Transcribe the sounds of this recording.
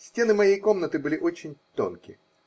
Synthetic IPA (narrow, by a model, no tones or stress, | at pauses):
sʲtʲe̞nɨmɐjejko̞mnət̪ɨbɨlʲɪʔo̞t͡ɕɪnʲt̪o̞̰nkʲɪ̰